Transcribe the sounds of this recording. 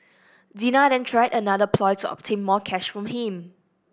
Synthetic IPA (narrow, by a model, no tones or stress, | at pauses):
dinadɛ̃ntʰɹajdənadəpʰlɔjtuʔɔ̰p̚tʰẽnmɔkʰɛʃfɹɔ̃mhĩm